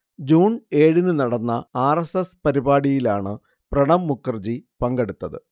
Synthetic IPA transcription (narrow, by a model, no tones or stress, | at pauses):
d͡ʑuːneːɻinɨnɐɽɐnːɐaːresespɐɾibaːɽijilaːɳɨ | prɐɽɐmːukːɐrd͡ʑipɐŋɡe̞ɽut̪ːɐðɨ̰